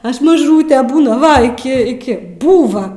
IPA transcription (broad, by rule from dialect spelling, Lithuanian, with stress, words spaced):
ˈɐʃ mɐˈʒuːtʲeː ˈbuːnɐ ˈʋɐ ɪˈkʲɪ ɪˈkʲɪ ˈbuːʋɐ